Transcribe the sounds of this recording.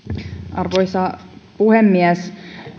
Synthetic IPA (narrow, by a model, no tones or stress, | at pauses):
ʔɑrʋojsɑpuhemːiæs